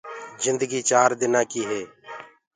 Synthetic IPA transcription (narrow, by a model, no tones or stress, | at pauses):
zɪnd̪əɡiːt͡ʃaːɾd̪ɪnãːkiːɦeː